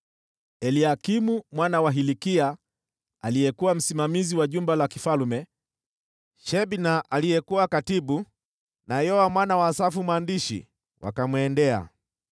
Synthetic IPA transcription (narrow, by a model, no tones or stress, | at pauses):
ɛliakimumwanawaɦilikia | alijɛkuwam̩simamiziwaʄumbalakifalumɛ | ʃɛbinaʔalijɛkuwakatiɓu | najɔwamwanawasafumwandiʃḭ | wʔa̰kamwɛndɛa̰